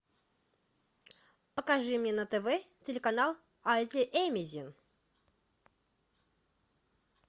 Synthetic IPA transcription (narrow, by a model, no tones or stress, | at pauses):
pəkaʐɨmnʲenət̪ɛvɛtʲɪlʲɪkanalˠ | azʲɪʔemʲɪzʲin